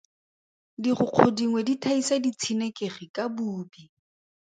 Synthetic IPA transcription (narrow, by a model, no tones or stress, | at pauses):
diχʊq͡χʰodiŋweditʰaisadit͡sʰinekʼeχikʼabuːbi